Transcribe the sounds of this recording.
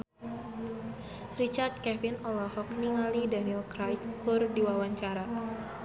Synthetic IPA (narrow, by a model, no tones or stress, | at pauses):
rit͡ʃard̪̚kɛfinɔlɔhɔkniŋalidanilkɾajkːʊrdiwawaɲt͡ʃaɾa